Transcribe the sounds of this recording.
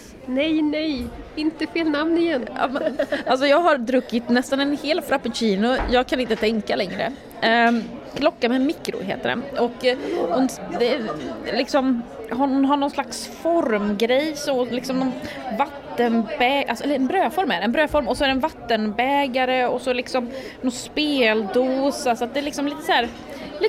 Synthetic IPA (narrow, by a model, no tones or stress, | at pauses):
nɛjnɛjɪnt̪əfeːlnamnɪjɛnɑ̰mals̬ɔjɑːɡɦaɾd̪ɾɵkːɪt̪nɛst̪anɛnheːlfɾapʊɕiːnʊjɑːɡ̚kʰanɪnt̪ət̪ʰɛŋkːalɛŋɾə̰ | kʰlɔkːamɛmɪkːɾʊ̰ɦḛːt̪əɖɛ̰ʔɔkːhʊnd̪ɛlɪksɔmhʊnɦaɳɔnslaks | fɔɾmɡɾɛjsɔmlɪksɔmnɔnvat̪ːənbɛːʔalsɔɛlːəɛnbɾøːfɔɾmæɾɛnbɾøːfɔɾmɔsɔæɾɖɛnvat̪ːənbɛːɡaɾəɔsɔɛlɪksɔm | nɔnspeːld̪uːsasɔat̪̚d̪ɛæɭɪksɔmliːt̪ə̥sæːɾ | liː